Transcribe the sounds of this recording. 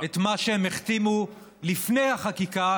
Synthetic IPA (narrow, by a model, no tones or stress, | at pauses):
et̪maʃeemeχt̪imu | lifne̞jhaχakika